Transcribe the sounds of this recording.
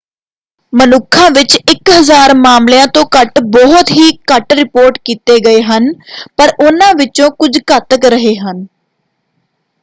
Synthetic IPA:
mənʊkʰːãːʋɪt͡ʃɪkɦəzaːɾmaːmljãːt̪õːkəʈbɔːt̪ɦiːkəʈɾɪpoːɾʈkiːt̪eːɡəeːɦənpəɾʊnãːʋɪt͡ʃõːkʊd͡ʒkət̪əkɾəɦeːɦən

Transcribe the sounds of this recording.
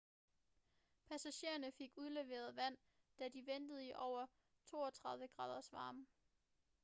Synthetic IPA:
pʰæsæɕe̝ːɐnəfe̝ɡ̥uð̞ˠle̝ʋe̝̰ːɐð̞ˠʋæn̰ | d̥æd̥iʋend̥əð̞̩ˠiʔɒʊ̰ɐ | t͡sʰo̝ːɒt͡sʰʁɑ̈ð̞ˠʋəɡ̥ʁɑ̈ːð̞ˠɐsʋɑ̈ːm

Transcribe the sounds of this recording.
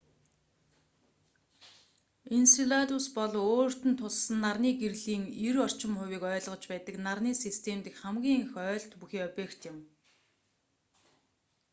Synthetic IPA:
insiɮat̪ʊspɔɮoːr̥t̪ɘ̆nt̪ʰʊsːə̆nːarniːɡerɮiːŋiɾɔr̥t͡ɕɪ̆mχʊwiːkœːɮʁɞ̆t͡ɕpæːt̪ə̆knarniːsist̪ʰemt̪ɘ̆kχæmɡʲiːŋxœːɮt̪puxiːœpʲeːkt̪jɪ̆m

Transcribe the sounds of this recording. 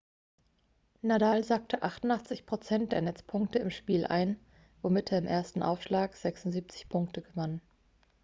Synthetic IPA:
nadaːlzak̚tʰəʔaχtʊntʔaχt͡sɪçpʁ̥ot͡sɛnt̚d̥eːɐnɛt͡spʰʊŋktəɪmʃpiːlʔa̰ɪn | vomɪtʰeːɐɪmʔeːɐstn̩ʔa̰ʊfʃlaːkz̥ɛksʊnziːp̚t͡sɪ̥çpʰʊŋk̚təɡəvanən

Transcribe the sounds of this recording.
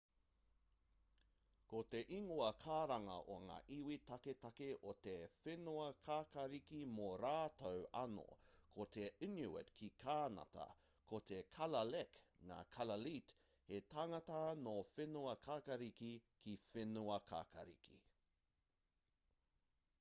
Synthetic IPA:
kot̪e̞ʔiŋoɐkʰaːɾɐŋɐ̰ʔoɐŋa̰ːʔiwitɐketɐkeʔot̪efenuɐkʰaːkɐɾikimoɾaːtɐwɐno̰kʰotʰeinuɪ̰tkʰikʰaːnɐ̰tɐ̰ | kʰot̪ekʰɐlɐlekŋa̰ːkʰɐlɐlit | hetaŋɐtɐnofenuɐkʰaːkɐɾikikifenuɐkʰa̰ːkɐ̰ɾḭkḭ

